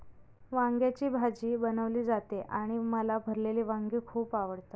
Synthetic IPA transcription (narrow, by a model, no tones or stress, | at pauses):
ʋaŋɡjat͡ɕiːbʱad͡ʑiːbənəʋliːd͡zat̪eʔaɽ̃iməlabʱəɾleliːʋaŋɡiːkʰuːpaʋəɽt̪a